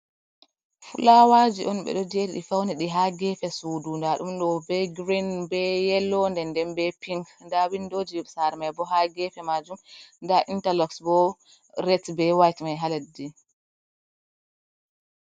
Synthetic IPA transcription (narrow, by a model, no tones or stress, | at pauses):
fṵlawad͡ʒiʔɔnɓɛ̰ɗɔd͡ʒediɗifawniɗiɦaɡɛfɛsuːdundaɗumɗɔbɛɡɾinbɛjɛlɔndɛndɛnbɛpiŋkndawindoːd͡ʒisaɾɛmajbɔɦaɡɛfɛmad͡ʒumndaʔintalɔksbɔ | ɾɛtbɛwajtmajɦaladi